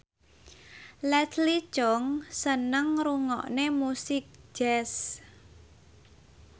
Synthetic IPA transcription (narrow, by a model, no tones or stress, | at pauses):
lɛt̪ʰli̥t͡ʃɔŋsənəŋɾuŋɔ̰ʔnemusɪk̚d͡ʒ̥ɛs